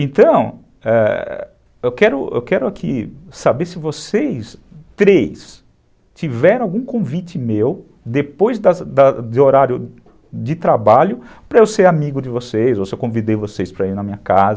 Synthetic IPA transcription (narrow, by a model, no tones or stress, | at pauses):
ẽnt̪ɐ̃w̃ | ɛ̰ | ewkɛɾʊḛwkɛɾʊakʰisabeɾsɪvosejst̪ɾejs | t͡ʃivɛɾɐ̃awɡũkõvit͡ʃɪmew | d̪epojzd̪ɐd̪ɐd̪ɪoɾaɾjʊ | d͡ʒɪt̪ɾabaʎʊpɾɐewseɾamiɡʊd͡ʒɪvosejzowsɪewkõvid̪ejvosejspɾɐiɾnɐmĩɲɐkazɐ